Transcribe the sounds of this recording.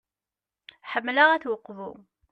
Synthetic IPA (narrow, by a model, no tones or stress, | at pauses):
ħəmːlaʁæθwəqːvṵ